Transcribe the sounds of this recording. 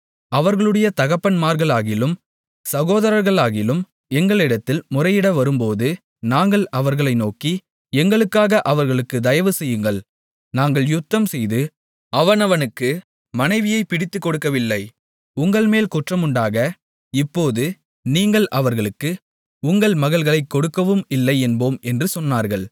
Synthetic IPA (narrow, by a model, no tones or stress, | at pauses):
ɐʋɐɾɣɐɭɯɽɐjɐt̪ɐɣɐpːɐnmaːɾɣɐɭaːɣɪlɯm | sɐɣoːðɐɾɐɾɣɐɭaːɣɪlɯm | ɛŋɡɐɭɪɽɐt̪ːɪlmʊrɐɪjɪɽɐʋɐɾɯmpoːðɯ | naːŋɡɐɭʔɐʋɐɾɣɐɭɐɪnoːki | ɛŋɡɐɭɯkːaːɣɐʔɐʋɐɾɣɐɭɯkːɯd̪ɐjɐʋɯsɛjːɯŋɡɐɭ | naːŋɡɐɭjʊt̪ːɐmsɛjðɯ | ɐʋɐnɐʋɐnɯkːɯ | mɐnɐɪʋɪjɐɪpɪɽɪt̪ːɯkːɔɽɯkːɐʋɪlːɐɪ | ʊŋɡɐɭmeːlkʊʈrɐmʊɳɖaːɣɐ | ɪpːoːðɯ | niːŋɡɐɭʔɐʋɐɾɣɐɭɯkːɯ | ʊŋɡɐɭmɐɣɐɭɣɐɭɐɪkːɔɽɯkːɐʋɯmɪlːɐɪɛnboːmɛndrɯsɔnːaːɾɣɐɭ